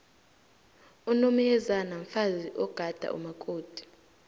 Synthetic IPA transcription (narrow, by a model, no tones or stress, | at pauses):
unomɛɛzanaɱfaziʔɔɡ̥ʱad̥ʱa̰ʔṵmakʼoːd̥ʱi̥